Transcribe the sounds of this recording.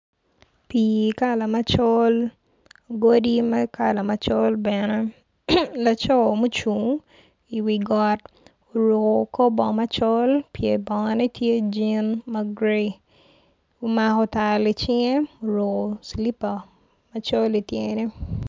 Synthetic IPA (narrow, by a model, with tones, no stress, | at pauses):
pi˨ka˦la˨ma˦t͡ʃɔ˦l | ɡo˦di˦mɛ˦ka˦la˨ma˨t͡ʃɔ˦lbɛ˨nɛ˦ | la˦t͡ʃɔ˦˨mo˦t͡ʃu˨ŋ | i˨wi˨ɡɔ˨t | o˨ɾo˨ko˨ko˦bɔ˨ma˦t͡ʃɔ˦lpje˨bɔ˨ŋa˨nɛ˦tje˦d͡ʒi˦nma˦ɡɾe˦ | o˦ma˨kɔ˨ta˨lɪ˨t͡ʃɪ˦ŋe˦o˨ɾo˨ko˨sli˦pa˨ | ma˦t͡ʃo˦li˨tjeŋ˨ni˦